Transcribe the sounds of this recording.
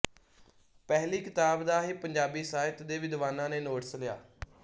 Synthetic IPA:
pɛɦliːkɪt̪aːbd̪aːɦiːpəɲd͡ʒaːbiːsaːɪt̪d̪eːʋɪd̪ʋaːnãːneːnoːʈəslɪja̰ː

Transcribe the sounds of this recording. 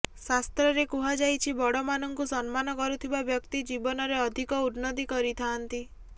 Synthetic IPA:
sast̪ɾɔɾekuɦad͡ʒajt͡ʃʰibɔɽɔmanɔŋkusɔnmanɔkɔɾut̪ʰibabjɔkt̪id͡ʒibɔnɔɾeɔd̪ʱikɔudnɔt̪ikɔɾit̪ʰaːnt̪i

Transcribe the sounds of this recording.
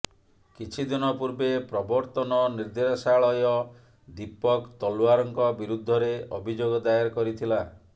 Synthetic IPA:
kit͡ʃʰid̪inɔpuɾbepɾɔbɔɾt̪ɔnɔniɾd̪eɾɔsaɭɔjɔ | d̪ipɔkt̪ɔluaɾɔŋkɔbiɾud̪ʱːɔɾeɔbʱid͡ʒoɡɔd̪ajaɾkɔɾit̪ʰila

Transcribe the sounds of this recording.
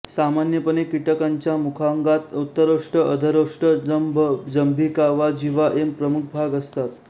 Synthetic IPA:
samanjəpənekiʈəkaɲt͡ɕjamukʰaŋɡat̪ut̪ːəɾoʂʈəʔəd̪ʱəɾoʂʈəd͡zəmbʱd͡zəmbʱikaʋad͡ʑiʋaʔempɾəmuk̚ʰbʱaɡəst̪at̪

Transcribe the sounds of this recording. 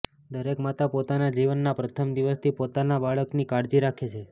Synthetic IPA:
d̪əɾekmat̪apot̪anad͡ʒiʋənːapɾət̪ʰəmd̪iʋəst̪ʰipot̪anabaɭəknikaɾd͡ʒiɾakʰet͡ʃʰe

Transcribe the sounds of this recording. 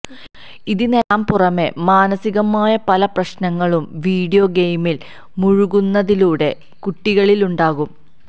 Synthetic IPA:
iðinelaːmpurɐme̞maːnɐsiɣɐmaːjɐpɐlɐprɐɕnɐŋːɐɭumʋiːɽijoɡejmil | muɻuɣunːɐðiluːɽe̞ | kuʈːiɣɐɭiluɳɖaːɣum

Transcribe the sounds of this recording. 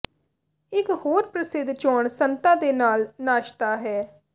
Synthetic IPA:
ɪkhoːɾpɾəsɪd̪t͡ʃɔːɳsənt̪aːd̪eːnaːlnaːʃt̪aːɦɛː

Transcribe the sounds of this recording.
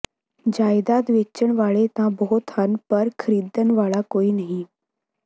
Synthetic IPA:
d͡ʑajd̪at̪ʋet͡ɕːəɳʋaɭet̪ãboɦot̪ʰanpəɾkʰəɾid̪ənʋaɭakoiːnaɦĩ

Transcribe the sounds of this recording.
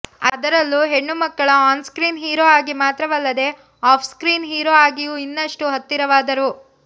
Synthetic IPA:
ɐd̪ɐɾɐlːuɦe̞ɳːumɐkːɐɭɐaːnskɾiːnɦiːɾoːaːɡimaːt̪ɾɐʋɐlːɐd̪e̞ | aːpʰskɾiːnɦiːɾoaːɡijuːinːɐʂʈuɦɐt̪ːiɾɐʋaːd̪ɐɾu

